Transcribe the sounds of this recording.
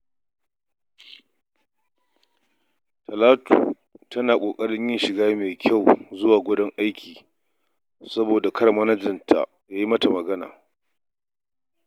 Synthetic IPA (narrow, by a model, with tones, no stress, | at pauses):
tʰɐ˨laː˦tṵː˨ | tɐ˦naː˨kʷʼoː˨kʼɐ˦ɽɪ˦ɲjɪ˦nʃɪ˨ɡaː˦meː˨kʲʰa˦˨wzʊ˦waː˨ɡʷʊ˦dɔ˦ŋʔa˦jkʲʰiː˨ | sɐ˦boː˨da˨kʰɐ˦ɽmɐ˦nɐ˦d͡ʒɪ˨ntʰa̰˨ | jaː˦ji˦mɐ˦ta˨mɐ˨ɡɐ˦na̰ː˨